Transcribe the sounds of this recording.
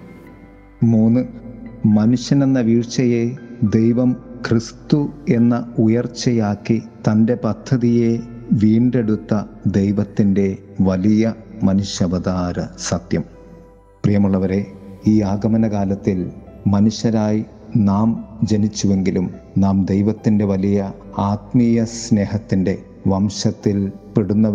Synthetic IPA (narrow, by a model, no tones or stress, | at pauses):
muːnːɨmɐnuɕjɐne̞nːɐʋiːɻt͡ɕːɐje̞d̪e̞jʋɐmkrist̪ue̞nːɐujɐrt͡ɕːejaːkːit̪ɐnde̞pɐt̪ʰːɐðije̞ʋiːɳɖe̞ɽut̪ːɐd̪e̞jʋɐt̪ːinde̞ | ʋɐlijɐmɐnuɕɐbɐd̪aːɾɐsɐt̪jɐm | prijɐmuɭːɐʋɐɾe̞iːaːɡɐmɐnɐkaːlɐt̪ːil | mɐnuɕjɐɾaːji | naːmd͡ʑe̞nit͡ɕːuʋe̞ŋɡilum | naːmd̪ejʋɐt̪ːinde̞ʋɐlijɐ | aːt̪̚miːjɐsne̞ːɦɐt̪ːinde̞ | ʋɐmɕɐt̪ːilpeɽunːɐ